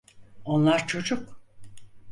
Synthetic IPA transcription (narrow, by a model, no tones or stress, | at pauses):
o̞nlˠaɾt͡ʃʰo̞d͡ʒʊk